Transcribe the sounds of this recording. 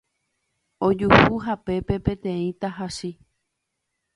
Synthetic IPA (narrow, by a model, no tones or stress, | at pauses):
od͡ʒuhuɦape̞pe̞pẽ̞t̪ẽ̞ĩt̪aɦaʃi